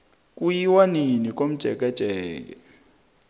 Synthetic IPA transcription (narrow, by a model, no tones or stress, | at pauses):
k̬ʼujiwaninik̬ʼom̩d̥ʒ̥ʱɛk̬ɛd̥ʒ̥ʱɛːk̬ɛ